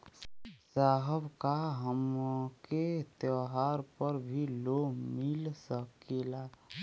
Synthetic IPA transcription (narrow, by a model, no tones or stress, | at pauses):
saːɦəbkaɦəmket̪jɔɦaɾpəɾbʱilomilsəkela